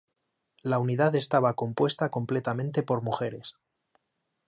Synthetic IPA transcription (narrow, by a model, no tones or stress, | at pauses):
launiðaðe̞st̪aβako̞mpwe̞st̪ako̞mple̞t̪amẽnt̪e̞po̞ɾmuxe̞ɾe̞s